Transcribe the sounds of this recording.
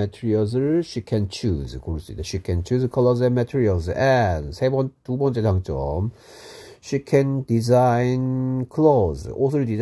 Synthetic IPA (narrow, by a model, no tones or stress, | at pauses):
ɛtʰiɾiʌs̬ɯɭɕikʰɛ̃nt͡ɕʰuzkoɾis͈uḭdeɕikʰɛ̃nt͡ɕʰuzkʰlozɛ̃nmɛtʰiɾials̬ɛnsʰebʌntubʌnt͡ɕ͈e̞taŋt͡ɕ͈ʌ̰m | ɕikʰɛndizajnkʰlozos̬ɯɭdiz